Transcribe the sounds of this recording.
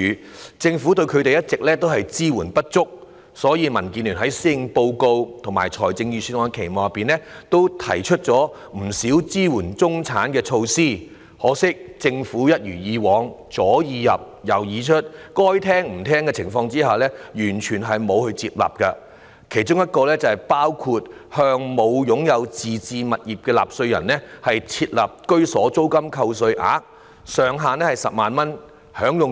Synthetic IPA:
t͡sɪ˧ŋfu˨˥t̪ɵ˧ɥkʰɵ˨˧t̪e˨jɐ˥t̚t͡sɪ˨k̚lɛː˥t̪o˥whɐ˨jt͡siː˥wuː˨˩npɐ˥t̚t͡sʊ˥k̚ | sɔː˨˥jiː˧mɐ˨˩nkiː˧nly˨˩nɦɐ˨˥jsiː˥˨ŋpo˧wko˧wt̪ʰʊ˨˩ŋma̰ː˨˩jt͡ʃʰɔː˨˩jt͡sɪ˧ŋjyː˨˧syː˧twɔː˨ŋ˧kʰe˨˩jmɔː˨˩jɐ˨pːiː˨nlɛː˥t̪o˥wt̪ʰɐ̰˨˩jt͡ʃʰɵ˥t̚t͡ʃɔː˨˥ | m̩˨˩siː˨˥wt͡siː˥wuː˨˩nt͡sʊ˥ŋt͡sʰaː˨˥nkɛː˧t͡ʃʰo˧wsiː˥ | hɔː˨˥sɪ˥k̚t͡sɪ˧ŋfuː˨˥jɐ˥t̚jyː˨˩jiː˨˧wɔː˨˧ŋt͡sɔː˨˥jiː˨˧jɐ̰˨p̚jɐ˨˩wjiː˨˧t͡ʃʰɵ˥t̚kɔː˥jt̪ʰɛː˥ŋm̩˨˩t̪ʰɛː˥ŋkɛː˧t͡sʰɪ˨˩ŋfɔː˧ŋt͡siː˥haː˨lɛː˥jyː˨˩nt͡ʃʰyː˨˩nɦɐ˨jmo˨˧whɵ˧ɥt͡siː˧p̚la̰ː˨p̚kɐ˧ | kʰe˨˩jt͡ʃʊ˥ŋjɐ˥t̚kɔː˧lɛː˥t͡sɐ˨hɐ˨jpaː˥wkʰuː˧t̚hœː˧ŋmo˨˧wjʊ˨˥ŋjɐ˨˧wt͡siː˨t͡siː˧mɐ˨t̚jiː˨p̚kɛː˧la̰ː˨p̚sɵ˧ɥjɐ̰˨˩nlɛː˥hɐ˨jt͡sʰiː˧t̚la̰ː˨˩p̚kɵ˥ɥsɔː˨˥t͡so˥wkɐ˥mkʰɐ˧ws̬ɵ˧ɥʔa̰ː˨˥k̚ | sœː˨ŋɦaː˨nɛː˥hɐ˨˩jsɐ˨p̚maː˨nmɐ˥n | hœː˨˥ŋjʊ˨ŋ

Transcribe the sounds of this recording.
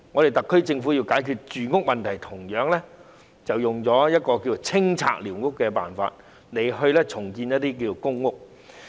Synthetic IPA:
ŋɔː˨˧ɾe˨˩t̪ɐ˨kʰːɵ˥ɥt͡sɪ˧ŋfu˨˥jiː˧wkaː˨˥jkʰyː˧t̚t͡ʃyː˨ŋʊ˥k̚mɐ˨nt̪ʰɐ˨˩jt̪ʰʊ˨˩ŋjœː˨˥ŋlɛ˥ | t͡sɐ˨wjʊ˨˩ŋt͡sɔː˨˥jɐ˥t̚kɔː˧ki˧o˨˩t͡sʰɪ˥ŋt͡sʰa̰ː˧k̚liː˨˩wŋʊ˥kːɛː˧pa̰ː˨nfa̰ː˧t̚ | ne˨˧jɦɵ˧lɛː˥t͡sʰʊ˨˩ŋkiː˧njɐ˥t̪̚iː˥k̬i˧t͡so˨˩wkʊ˥ŋːʊ˥k̚

